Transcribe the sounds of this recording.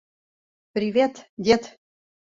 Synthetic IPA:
pɾʲivʲet̪dʲet̪

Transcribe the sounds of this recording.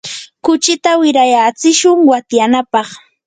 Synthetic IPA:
kʊt͡ʃɪt̪awɪɾajat͡sɪʃʊŋwat̪janapɑχ

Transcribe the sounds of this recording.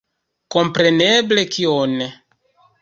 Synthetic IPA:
kompɾeneblekʰione

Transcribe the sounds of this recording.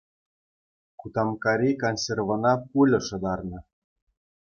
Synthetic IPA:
kut̪ɑmkɑɾʲikonsʲervɤ̆nɑpulʲɤ̆ʃɤ̆d̪ɑrnɤ̆

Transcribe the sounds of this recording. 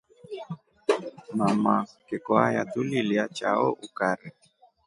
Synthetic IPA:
mamakɛkɔajat̪uliliat͡ʃa̰ɔʔukaɾɛ

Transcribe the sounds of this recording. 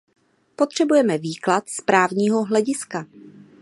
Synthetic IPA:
po̞t̪r̝̥ɛbujɛmɛviːklat̪spɾaːvɲiːɦo̞ɦlɛɟɪska

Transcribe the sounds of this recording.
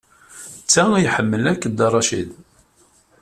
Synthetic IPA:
t͡sːæjħəmːəlækːəd̪ɑrˤːɑʃḭð

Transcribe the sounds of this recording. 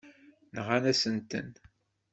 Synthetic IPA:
nəʁanæsənt̪ə̰n

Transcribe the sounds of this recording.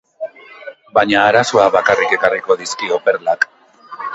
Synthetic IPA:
baɲaːɾasoaβakarike̞kariko̞ðiskio̞pe̞ɾlak

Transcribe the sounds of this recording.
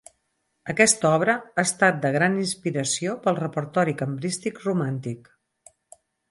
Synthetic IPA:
əkɛst̪ɔβ̞ɾəaːst̪at̪̚d̪əɣ̞ɾaninspiɾəsiopəlˠrəpəɾt̪ɔɾikəmbɾist̪ikrumant̪ik

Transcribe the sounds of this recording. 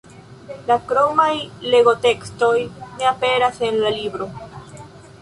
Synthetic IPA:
lakɾo̞majle̞ɣo̞t̪e̞ksto̞jne̞ape̞ɾase̞nlalibɾo̞

